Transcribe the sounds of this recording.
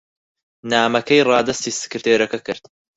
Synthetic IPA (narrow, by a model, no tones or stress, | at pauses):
naːmɐkʰɐjrˤɑːd̪ɐst̪iːsɨ̥kɨɾt̪ʰeːɾɐkɐkɨɾt̪